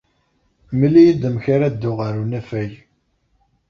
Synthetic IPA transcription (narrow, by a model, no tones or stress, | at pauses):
məlijid̪əmçaɾad̪ːʊʁəɾunæfæj